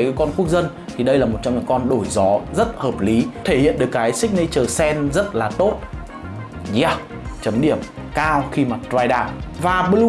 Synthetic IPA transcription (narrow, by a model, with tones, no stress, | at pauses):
kɔ˧nku˦˥ək̚zə˧n | t̪ʰi˨˩ɗə˧jlaː˨˩mo˨˩t̚t͡ɕɔ˧ŋ͡mɲa̰˧˥ŋkɔ˧nɗo˧˩jzɔ˨˦zə˦˥t̚həː˨˩p̚li˨˦t̪ʰe˧˩hḭ˧˨ənɗɨ˨˩əkːaː˨˦jsï˦˥k̟̚nə˧jt͡ɕəː˨˩sɛ˧nzə˦˥t̚laː˨˩t̪o˦˥t̚ | zaː˧˩w | t͡ɕə˨˦mɗi˧˩əm | kaː˧wxi˧maː˨˩t̪waː˧jɗaː˧˩mvaː˨˩ɓl